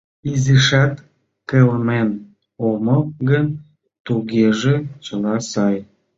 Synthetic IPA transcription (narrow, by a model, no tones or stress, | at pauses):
iziʃɑt̪ | kelmen | oməɡən | t̪uɣeʒet͡ɕəlɑsɑj